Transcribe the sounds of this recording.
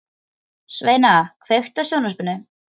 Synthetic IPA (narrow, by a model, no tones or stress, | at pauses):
sveːjnaakʰvext̪asjoːwnaspɪnːʏ